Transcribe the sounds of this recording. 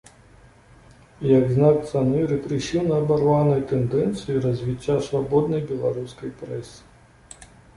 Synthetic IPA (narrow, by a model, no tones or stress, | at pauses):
jɐɡznak̚t̪sanɨɾɨkɾɨɕʲiwnɐːbarvanɐjt̪ɛnd̪ɛnt̪sɨjuɾɐzʲvʲit͡ɕʲːasvabɔd̪̚nɐjbʲɛlˠaɾuskɐjpɾɛsɨ̥